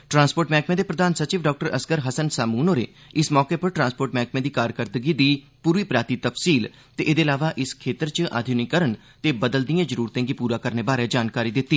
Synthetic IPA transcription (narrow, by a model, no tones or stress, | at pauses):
ʈɾãːnspoːʈmɛːkmẽːd̪eːpɾəd̪aːnsət͡ʃiːʋɖɔːk̚ʈəɾəskəɾɦəsənsaːmuːnoːɾeː | ɪsmɔːkeːpəɾʈɾãːnspoːɾʈmɛːk̚mẽːd̪iːkaːɾkəɾd̪əɡiːd̪iː | puːɾʋiːpɾaːt̪iːt̪əfsiːl | t̪eːʔeːd̪eːlaːʋaːʔɪskʰeːt̪əɾt͡ʃʔa̰ːd̪ʱjunikəɾən | t̪eːbəd̪əld̪ijãːd͡ʒəɾuːɾt̪ẽːɡipuːɾaːkəɾneːbaːɾed͡ʒaːnkaːɾiːd̪ɪt̪ːiː